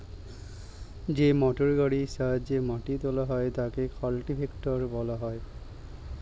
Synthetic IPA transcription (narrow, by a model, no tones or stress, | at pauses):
zemɔʈoɹɡaɹisazemaʈit̪olaɦɔjt̪akekʰɔlʈibʰʱekʈɔɹbɔlaɦɔj